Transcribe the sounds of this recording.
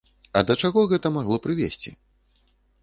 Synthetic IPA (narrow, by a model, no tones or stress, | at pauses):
ɐd̪ɐt͡ʂaɣɔɣɛt̪ɐmaɣlˠɔpɾɨvʲesʲt͡sʲḭ